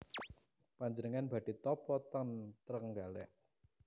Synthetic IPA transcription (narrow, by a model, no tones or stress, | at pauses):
paɲd͡ʒənəŋanb̥ä̤ɖ̥i̤t̪ɔpɔt̪ɔnt̪əɾəŋɡalɛʔ